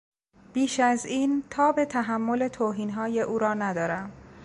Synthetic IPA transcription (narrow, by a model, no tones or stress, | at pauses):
b̥iːʃæziːnt̪ʰɒːbe̞t̪ʰæɦæmːole̞t̪ʰoːɦiːnɦɒːje̞ʔuːɾɒːnæd̪ɒːɾæm